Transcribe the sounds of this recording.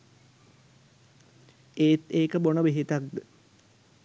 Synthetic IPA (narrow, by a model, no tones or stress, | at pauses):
eːt̪eːkəbonəʋiɦit̪ak̚d̪ə